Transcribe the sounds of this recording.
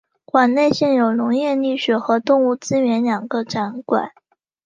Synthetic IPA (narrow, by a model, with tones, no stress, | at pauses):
kwa˨˩nne˥˧ɪɕjɛ˥˩njo˨˩ʊnʊ˧˥ŋjɛ˥˧ni˥˩ɕɥɛ˨˩xɤ˧˥t̪ʊ˥˧ŋu˥˩t͡sɹ̩˥ɥɛ˧˥nljɑ˨˩ŋɡə˦ʈ͡ʂa˧˥nkwa̰˨˩˦n